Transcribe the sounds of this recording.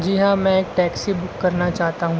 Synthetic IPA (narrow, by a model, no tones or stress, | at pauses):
d͡ʒiɦãmɛ̃eːk̚ʈɛːksibʊkːɐɾnat͡ʃaːɦt̪aɦũː